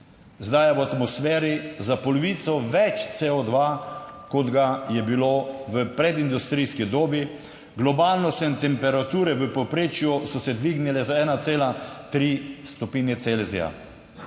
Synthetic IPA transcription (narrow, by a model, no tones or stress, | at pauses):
zd̪ajaʋɔat̪mɔsfɛːɾizapɔlɔʋiːt̪sɔʋɛt͡ʃt̪seːod̪ʋakɔd̪ɡajɛbiloʋəpɾɛd̪ind̪ust̪ɾijskid̪oːbi | ɡlɔbaːlnɔst̪ɛint̪ɛmpɛɾat̪uːɾɛʋəpɔpɾeːt͡ʃjusɔsɛd̪ʋiɡnilɛzaɛːnat̪seːlat̪ɾist̪ɔpiːnjɛt̪selzḭja̰